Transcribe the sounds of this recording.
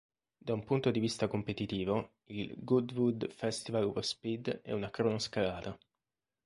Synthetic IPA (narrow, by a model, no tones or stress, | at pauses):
d̪aumpunt̪od̪ivist̪akompet̪it̪iːvo | ilɡud̪vud̪fɛst̪ivaluvəspid̪ɛ̰unakɾonoskalaːt̪a